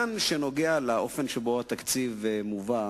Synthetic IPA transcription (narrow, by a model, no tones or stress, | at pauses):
nʃeno̞ɡealaʔo̞fe̞nʃebo̞at̪akt͡sivemuva